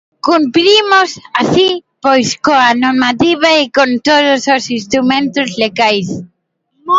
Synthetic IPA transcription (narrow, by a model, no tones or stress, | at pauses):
kumpɾimʊsasipojskoanoɾmat̪iβaekont̪oðʊsosist̪ɾumẽnt̪ʊzleɣajs